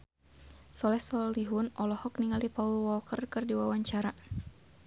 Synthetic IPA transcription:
sɔlɛhsɔliɦʊnɔlɔhɔk̚niŋalipaulwɔlkərkɨrdiwawaɲt͡ʃaɾa

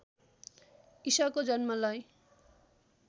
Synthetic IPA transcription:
isʌkod͡zʌnmʌlaj

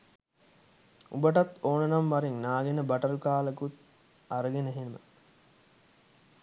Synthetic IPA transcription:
ubəʈat̪oːnənamʋaɾiŋnaːɡenəbɐʈəɾukaːləkut̪ | aɾəɡenəɦenəmə̰

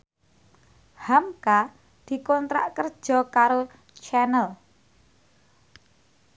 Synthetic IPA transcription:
hamka | d̪̥i̤kɔnt̪ɾa̰ʔkərd̥ʒ̥ɔ̤kaɾo | t͡ʃɛnəl

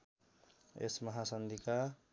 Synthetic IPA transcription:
ḛsmʌɦasʌnd̪ʱika

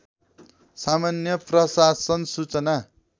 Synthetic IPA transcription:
samanjʌprʌsasʌnsut͡sʌna

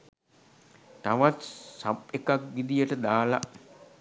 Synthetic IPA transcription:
t̪aʋat̪sapekakʋid̪ijəʈəd̪aːla

